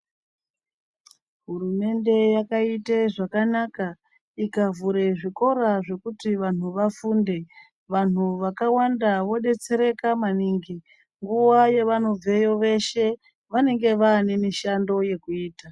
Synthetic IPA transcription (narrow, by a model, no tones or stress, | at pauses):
ɦurume̞nde̞jakaiteʐakanaka | ikavuɾe̞ʐiko̞ɾaʐe̞kutiʋan̤uʋafuːnde̞ | ʋan̤uʋakawandaʋo̞ɗe̞t͡se̞ɾe̞kamaniŋɡi | ŋɡuwaje̞ʋano̞b͡ve̞jo̞ʋe̞ʃe̞ | ʋane̞ŋɡe̞ʋaːne̞miʃando̞je̞kuiːta